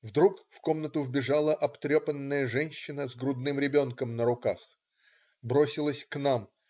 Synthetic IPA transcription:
vd̪ɾukfko̞mnət̪ʊvbʲɪʐalˠəʔɐpt̪ɾʲopənːəjəʐɛnʲɕːɪnəzɡɾʊd̪nɨmɾʲɪbʲo̞nkəmnəɾʊkax | bɾo̞sʲɪlˠəsʲknam

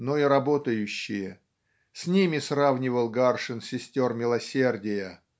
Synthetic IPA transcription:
noiɾɐbo̞t̪əjʉɕːɪjə | sʲnʲimʲɪsravnʲɪvəlˠɡarʂɨnsʲɪsʲtʲo̞rmʲɪlˠɐsʲe̞rdʲɪjə

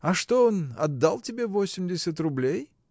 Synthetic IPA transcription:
ɐʂt̪o̞onɐ̰d̪ːalˠtʲɪbʲe̞vo̞sʲɪmdʲɪsʲət̪rʊblʲej

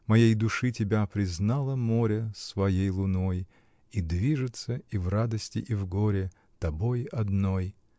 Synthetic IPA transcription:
mɐjejd̪ʊʂɨtʲɪbʲapɾʲɪznalˠəmoɾʲəsvɐjejlˠʊnoj | id̪vʲiʐɨt̪səivrad̪əsʲtʲɪ̰ʔivɡoɾʲɪ | t̪ɐbojɐd̪noj

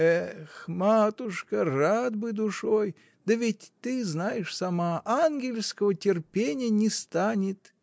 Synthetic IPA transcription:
ɛxmat̪ʊʂkərad̪̚bɨd̪ʊʂoj | d̪əvʲɪtʲt̪ːɨznajɪʂsɐmaʔanɡʲɪlʲskəvətʲɪrpʲenʲɪjənʲɪst̪anʲɪt̪

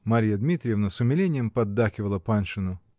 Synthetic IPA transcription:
maɾʲijɐd̪mʲit̪ɾʲɪjevnɐsʊmʲɪlʲenʲɪjɛmpɐd̪ːaxʲɪvɐlˠɐpanʂɨnʊ

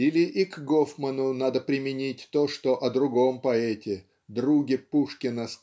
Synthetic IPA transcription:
ilʲɪʔikɡofmənʊnad̪əpɾʲɪmʲɪnʲit̚ʲt̪oʂt̪oʔɐd̪ɾʊɡo̞mpɐɛtʲɪ | d̪ɾuɡʲɪpuʂkʲɪnəs

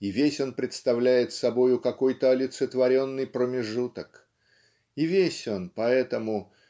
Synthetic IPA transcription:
ivʲesʲo̞npɾʲɪt̪st̪ɐvlʲæjɪt̪sɐbo̞jʊkɐko̞jt̪əɐlʲɪt̪sɨt̪vɐɾʲo̞nːɨjpɾəmʲɪʐut̪ək | ivʲesʲo̞npɐɛt̪əmʊ

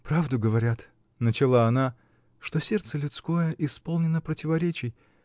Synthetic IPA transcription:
pɾavd̪ʊɡəvɐɾʲat̪ | nət͡ɕɪlˠaɐna | ʂt̪osʲe̞rt̪səlʲʊt̪sko̞jəʔɪspolˠnʲɪnəpɾətʲɪvɐɾʲet͡ɕɪj

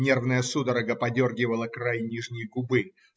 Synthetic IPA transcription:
nʲe̞rvnəjəsud̪əɾəɡəpɐdʲorɡʲɪvəlˠəkrajnʲiʐnʲɪjəɡʊbɨ

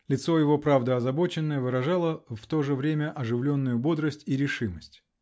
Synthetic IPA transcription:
lʲɪt̪so̞jɪvo̞pɾavd̪əɐzɐbo̞t͡ɕɪnːəjəvɨɾɐʐalˠəft̪o̞ʐɨvɾʲemʲəʔɐʐɨvlʲo̞nːʊjʊbo̞d̪ɾəsʲtʲiɾʲɪʂɨməsʲtʲ

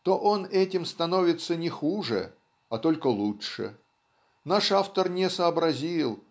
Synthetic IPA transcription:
t̪o̞ʔo̞nɛtʲɪmst̪ɐno̞vʲɪt̪sənʲɪxuʐɨ̰ | ɐt̪o̞lʲkəlˠuʂɨ̰ | naʂaft̪ərnʲɪsəɐbɾɐzʲilˠ

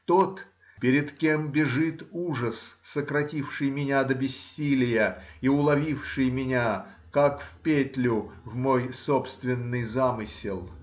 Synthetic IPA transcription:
t̪ot̪ | pʲɪɾʲɪt̪kʲe̞mbʲɪʐɨt̪uʐəsːəkɾɐtʲifʂɨjmʲɪnʲad̪əbʲɪsʲːilʲɪjəiʊlˠɐvʲifʂɨjmʲɪnʲa | kakfʲpʲetʲlʲʊvmojsopst̪vʲɪnːɨjzamɨsʲɪlˠ

